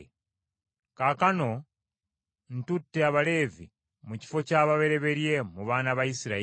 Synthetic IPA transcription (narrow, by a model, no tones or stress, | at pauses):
kakano̞ | n̩tutːe̞aβale̞ːvḭ | muci̥fo̞caːβaβe̞ɾe̞βe̞ɾje̞muβaːnaβaisiɾa